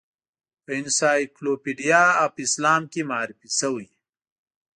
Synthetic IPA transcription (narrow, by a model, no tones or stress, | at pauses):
pinsaːjkloːpiɖijaːapislaːmkimaːɾipisɐwuj